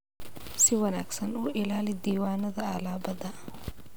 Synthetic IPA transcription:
sɪwɐnaːksɐnuʔɪlaːlɪd̪iːwaːnɐðɐalaːbɐd̪a

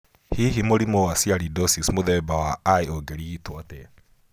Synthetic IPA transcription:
hiɦimoɾimowasiaɾidɔsismoðɛbawaaioɡeɾiitwatɛ

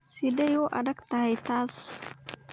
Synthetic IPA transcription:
sidejoʔa̰dak̚t̪aɦajt̪as

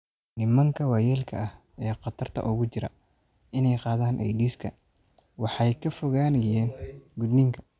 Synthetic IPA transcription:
nɪmɐŋkʰɐwɑjɛːlkʰɐ̰ɐh | ɛːqɑt̪ʰɐrt̪ʰɐ̰ʔʊɣʊt͡ʃɪɾɐ̰ | ɪnɛjqɑːðaːnʔɛ̰jdiːskʰɐ̰ | wɑħɑjkʰɐfɔɣaːnɐjɛːnɡʊd̪nɪŋkʰɐ̥

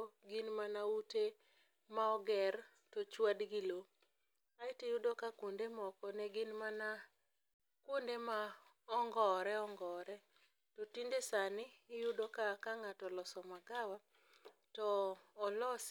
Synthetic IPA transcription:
ɡɪnmanaute | maɔɡɛr | tɔt͡ʃwadɡɪlo | aɪtijʊdokakwondemɔkɔnɛɡɪnmana | kwondema | ɔŋɡɔɾɛɔŋɡɔɾɛ | totindesanɪːjʊdokakaŋatɔlɔsɔmaɡawa | tɔːlɔs

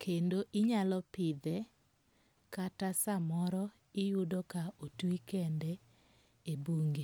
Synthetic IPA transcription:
kʰendoʔɪɲalɔpɪd̪ɛ | katasamɔɾɔ | ɪjʊdɔkaotwikɛndɛ | ebuŋɡe

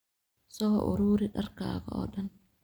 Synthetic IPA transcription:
sɔɦʔʊ̰ɾuːɾɪɗɐrka̰ːɣɐɔ̰ːɗɐn

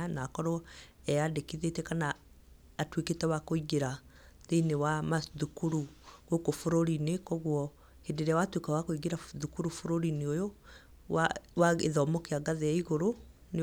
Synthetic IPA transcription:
nakɔɾɔɛadekiðetɛkanaː | tweketɛwakoiɣeɾa | ðeinewamaðukuɾuɣokofoɾoɾinekɔɣwɔ | hedeɾeawatwekawakoiɣeɾaðukuɾufoɾoɾineojo | wawaeðɔːmɔkeaɡaðeaiɣoɾo | n

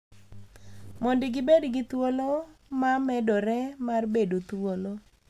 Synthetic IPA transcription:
mɔndɪɡɪbedɡɪt̪wolomamɛdɔɾɛmarbedot̪wolo

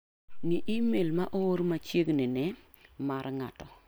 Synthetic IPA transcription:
niʔimelmaʔooɾmat͡ʃjeɡnɛnɛ | maɾŋa̰tɔ

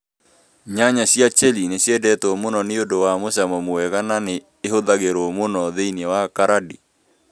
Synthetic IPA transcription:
ɲaɲasjat͡ʃɛlineɕjɛdɛtɔːmonɔneodowamosamɔmoɛɣananeːɦoðaɣeɾomonɔðeinɛwakaɾadi

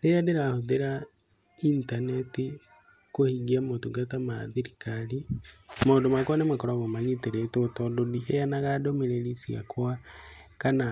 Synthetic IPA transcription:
lejadeɾahoðeɾa | intaneti | kohiɡiamotuɡatama̰ðiɾikalimodomakwanemakoɾaβomaɲiteɾetotododiheanaɣadomiɾelisiɣa̰kʰoakana

